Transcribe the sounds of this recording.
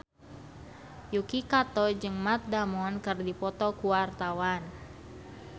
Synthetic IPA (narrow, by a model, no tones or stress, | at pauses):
jukikat̪ɔd͡ʒɨŋmat̪̚damɔnkɨrdipɔt̪ɔkuwart̪awan